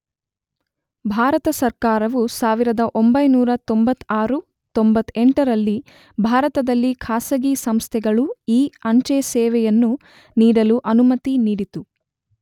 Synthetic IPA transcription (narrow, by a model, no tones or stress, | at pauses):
bʱaːɾɐt̪ɐsɐɾkaːɾɐʋusaːʋiɾɐd̪ɐʔo̞mbɐjnuːɾɐt̪o̞mbɐt̪ːaːɾu | t̪ombɐt̪ːeɳʈɐɾɐlːi | bʱaːɾɐt̪ɐd̪ɐlːikʰaːsɐɡisɐmst̪ʰɛɡɐɭuiːɐɲt͡ʃesɛːʋɛjɐnːu | niːɽɐluʔɐnumɐt̪iniːɽit̪u